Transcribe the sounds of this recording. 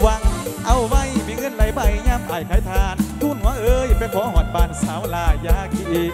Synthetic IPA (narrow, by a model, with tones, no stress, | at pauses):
wa˧˩kʔa˧wwa˧˥˨jmiː˧˦ŋɤ˧˥˨nla˧˩jbaː˧˩˨jɲaː˧˨mʔaː˨˩jkʰaː˨˥jt̪ʰaː˧nt̪ʰuː˧˥˨nhaː˧˥˦ʔɤː˧jpa˧˦jkʰɔː˨˦ɦɔː˨˦˩t̪̚baː˨˧˩nsaː˨˦wlaː˧˩jaː˧˩ki˧ʔiː˧˩k̚